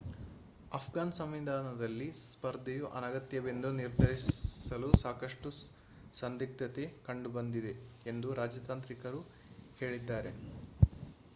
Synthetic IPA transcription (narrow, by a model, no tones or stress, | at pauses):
ɐpʰɡaːnsɐmʋid̪aːnɐd̪ɐlːispɐɾd̪ʱejuʔɐ̰nɐɡɐt̪jɐbend̪uniɾd̪ʱɐɾisɐlusaːkɐʂʈu | sɐnd̪ik̚t̪ɐt̪ekɐɳɖubɐnd̪id̪e̞ | end̪uɾaːd͡ʒɐt̪aːnt̪ɾikɐɾu | he̞ːɭid̪ːaːɾe̞